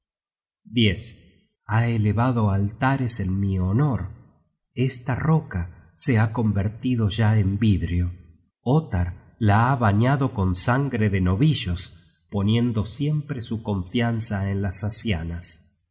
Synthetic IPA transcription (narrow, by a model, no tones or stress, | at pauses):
d̪jes | aeleβaðo̞alt̪aɾesenmionoɾ | est̪aro̞kaseako̞mbe̞ɾt̪iðo̞ʒaembiðɾjo | ot̪aɾ | laaβaɲaðo̞ko̞nsaŋɡɾeðeno̞βiʒo̞s | po̞nje̞nd̪o̞sjempɾesuko̞ɱfjansaenlasasjanas